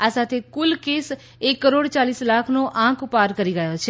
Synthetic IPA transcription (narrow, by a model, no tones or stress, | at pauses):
asaːt̪ʰekʊlkeːs | ekːəɾoːɽt͡ʃaːliːslaːkʰnoʔãkʰʊpaːɾkəɾiɡəjot͡ʃʰe